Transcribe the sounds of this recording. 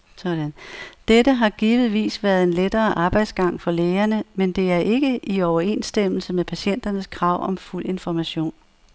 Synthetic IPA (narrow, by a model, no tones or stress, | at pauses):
sɒd̥ænd̥ed̥əɦɑ̈ɡ̥iːʋð̩ˠʋḭːsʋæɐð̩ˠe̝nled̥ɐːʔɑ̈ːb̥ɑ̈ɪd̥sɡ̥ɑ̈ŋ̰fɒ̽leːɐnəmend̥e̝æɐʔe̝ɡ̥əʔiɒʊɐe̝̰nsd̥em̰l̩səmepʰæɕen̰d̥ɐnəskʰʁɑ̈ʊ̰ɒ̽mful̰e̝nfɒmæɕo̝̰ːn